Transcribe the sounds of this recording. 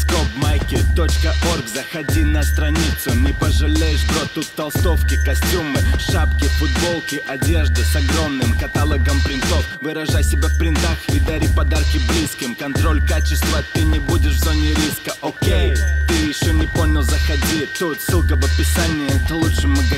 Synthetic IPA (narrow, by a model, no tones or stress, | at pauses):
skopmajkʲɪrt̪o̞t͡ɕkəʔorɡzəxɐdʲinəst̪ɾɐnʲit̪sʊnʲɪpəʐɨlʲejɪʂt̪ot̪ut̪ːɐlˠst̪o̞fkʲɪkɐsʲtʲumɨʂapkʲɪfʊd̪bo̞lˠkʲɪʔɐdʲe̞ʐd̪ɨsɐɡɾo̞mnɨmkɐt̪alˠəɡəmpɾʲɪnt̪o̞fvɨɾɐʐajsʲɪbʲafpɾʲɪnt̪axid̪aɾʲipɐd̪arkʲɪblʲiskʲɪmkɐnt̪ɾo̞lʲkat͡ɕɪst̪vət̪ɨnʲɪbudʲɪʂvzonʲɪɾʲiskəʔokʲejt̪ɨjɪɕːonʲɪpo̞nʲɪlˠzəxɐdʲit̪ut̪sɨlˠkəvəpʲɪsanʲɪjəɛt̪ɐlˠutʂɨmʊɡ